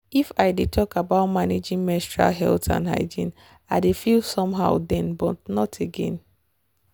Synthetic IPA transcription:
ifaɪdetʰɔkabaʊtmaned͡ʒĩŋmɛ̃stɹa̰lɦɛ̰ltã̰nɦa̰ɪd͡ʒĩn | aɪdefilsɔ̃mɦaʊdɛ̃nbɔtnɔtʰeɡɛ̰̃n

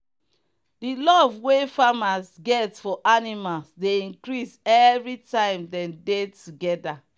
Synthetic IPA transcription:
dilɔvwefamasɡɛtfɔʔanimalsdeĩŋkɹisɛvɹitãɪ̃mdɛ̃mdetuɡɛda

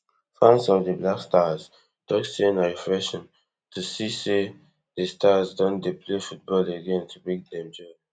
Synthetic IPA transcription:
fãnsɔvdəblakstaz | d̥ɔksẽnafɹɛʃɔ̃n | tʰusise | dəstazdɔ̃ndepʰlefut̚bɔleɡɛ̃ntʰubek̚d̪ɛ̃md͡ʒɔ

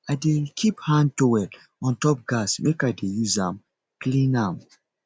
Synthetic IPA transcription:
adekʰiphãnd̚towɛd | ɔ̃ntɔp̚ɡasmekaɪdejuzãm | klĩnãm

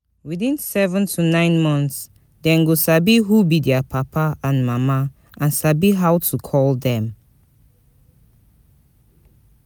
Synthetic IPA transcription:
wiθĩnsɛvə̃ntʰunãɪ̃nmɔ̃nts | dɛ̃nɡosabiɦubidɛapʰapʰaãnmama | ʔãnsabiɦawtʰukʰɔldɛ̃m

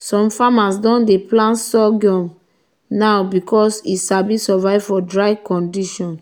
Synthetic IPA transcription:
sɔ̃mfamasdɔ̃ndeplãnsɔɡɔ̃m | nawbikɔsisabisɔvaɪvfɔdɹaɪkɔ̃ndiʃɔ̃n

